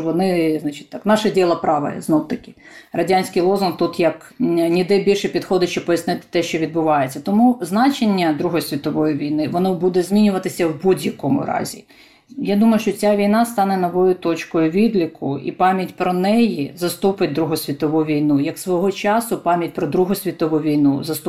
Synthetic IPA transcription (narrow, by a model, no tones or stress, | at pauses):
ʋɔnɪznɑt͡ʃɪ̥tʲt̪ɑknɑʃɛdʲilˠɐpɾɑʋɐ̰jɛ̰znɔwt̪ɐkɪ̥rɐdʲanʲsʲkijlˠɔzʊnt̪ut̪jɐk | nʲid̪ɛbʲilʲʃɛpʲid̪xɔd̪ɪʃt͡ʃɔb̚pɔjɐsnɪt̪ɪ̥t̪ɛʃt͡ʃɔʋʲid̪bʊʋɑjet͡sʲːɐt̪ɔmuznɑt͡ʃenʲːɐd̪ɾuɦɔjsʲʋʲit̪ɔʋɔjiʋʲijnɪʋɔnɔbud̪ɛzʲmʲinʲʊʋɐt̪ɪsʲɐwbudʲjɐkɔmʊ̰ɾɑ̰zʲḭ | jad̪umɐjʊʃt͡ʃɔt͡sʲaʋʲijnɑst̪ɑnɛnɔʋɔjʊt̪ɔt͡ʃkɔjʊʋʲid̪lʲikʰʊḭpɑmʲjɐtʲpɾɔnɛjizɐst̪upɪt̚ʲd̪ɾuɦɔsʲʋʲit̪ɔʋuʋʲijnujɐksʋɔɦɔt͡ʃɑsʊpɑmʲjɐtʲpɾɔd̪ɾuɦɔsʲʋʲit̪ɔʋuʋʲijnuzɐst̪